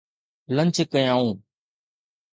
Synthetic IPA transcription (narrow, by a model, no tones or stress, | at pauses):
lə̃ɲt͡ʃʰkəjãːũː